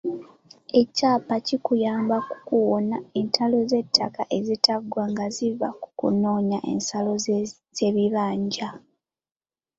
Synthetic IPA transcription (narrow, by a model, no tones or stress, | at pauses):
e̞caːpacikujaːmbaku̥kuwonae̞ntʰalo̞ze̞tʰːakaʔe̞zitaɡwaŋɡaziva̰ku̥kṵno̞ːɲaʔḛnsalo̞ | z̥e̞βiβaːɲɟa